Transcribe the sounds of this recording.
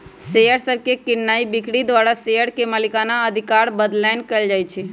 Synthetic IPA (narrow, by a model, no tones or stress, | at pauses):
seəɽsəbʱkekɪnnaibikɽid̪ʋaɾasejəɽkeməlikanaəd̪ʱikaɾbəd̪laɪnkəld͡ʒajt͡ʃʰɛ